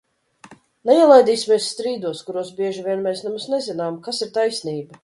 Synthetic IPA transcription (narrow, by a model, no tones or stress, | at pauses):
nɛiɛlˠajd̪iːsʲimʲiɛsːt̪ɾiːd̪uɔskuɾuɔsbʲiɛʒivʲiɛnmɛjsnumsnɛzinaːmkasiɾt̪ajsniːba